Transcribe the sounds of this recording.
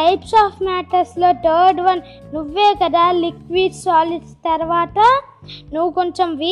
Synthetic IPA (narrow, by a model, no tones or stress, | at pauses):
ʈɐjpsaːpʰmaːʈɐɾslo̞ːt̪ʰəːɾɖʋɐn | nuʋːe̞ːkɐd̪aːlikʋiːɖsaːliɖst̪ɐɾɐʋaːt̪ɐ | nuʋːukoɲt͡ʃomʋiː